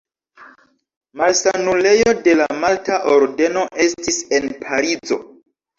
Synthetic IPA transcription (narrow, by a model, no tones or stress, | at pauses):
malsanule̞jo̞de̞lamaltaʔo̞ɾde̞no̞ʔe̞stise̞npʰaɾid͡zo̞̰